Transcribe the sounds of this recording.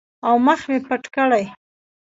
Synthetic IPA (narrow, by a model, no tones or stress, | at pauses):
awməxmepaʈkəɽaj